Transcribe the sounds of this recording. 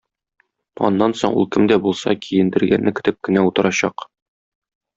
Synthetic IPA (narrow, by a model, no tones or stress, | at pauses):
ɒ̰nːɑnsoɴṵlˠkɘmd̪æbulˠsɑ̰kʰijɘ̆nd̪ɘ̆ɾɡæ̰nːɘkɘ̆t̪ɘp̚kɘ̆næut̪ɤ̆ɾɑɕɑq